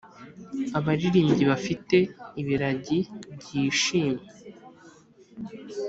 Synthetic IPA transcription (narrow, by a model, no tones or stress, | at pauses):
aβaɾiɾiːmɟiβafite̞iβiɾaɟib̚ɟiːʃiːmɡe